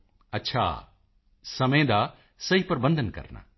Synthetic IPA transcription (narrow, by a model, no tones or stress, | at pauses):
ɐtːʃʰa̰ː | sɐmẽd̪a | sɐɦipɐɾbə̃nd̪ʱənkɐ̰ɾna̰